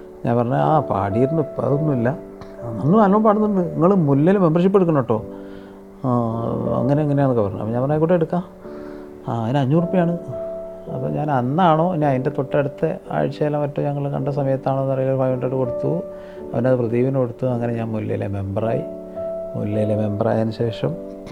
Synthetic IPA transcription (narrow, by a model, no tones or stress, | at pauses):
ɲa̰ːnpɐrɐɲːɐaːpa̰ːɽijiɾnːɨpːɐ̰ːrunːuilːɐ | nɐŋːɐmaːlmɐmpaɽunːuɳɖɨniŋːɐɭumulːejileme̞mbɐrʂipːeɽukːunːoʈːo̞ː | ɐ̰ŋːɐneɐŋːɐnejaːɳɨkːɐpɐrɐɲːṵɐ̰pːoɲaːnpɐrɐnaːjkːuːʈːeɽukːaː | ðinɐɲːuːrpːijaːɳɨ | ɐ̰pːo̰ɲaːnɐnːaːɳo̞ːineɐðindet̪oʈːeɽut̪ːḛa̰ːɻit͡ɕːɐlamɐtːoɲɐŋːɐɭkɐ̰ɳɖes̬ɐmɐjɐt̪ːaːɳonːɐrɐjiloɾfɐjɐɳʈɐʈːɨko̞ɽut̪ːu | ɐʋɐneɐðɨprɐðiːʋinɐkoɽut̪ːuɐŋːɐne̞ɲaːnmulːḛjḭlḛme̞mbɐra̰ːjḭ | mṵlːejileme̞mbɐra̰ːjɐnɕe̞ːʂɐm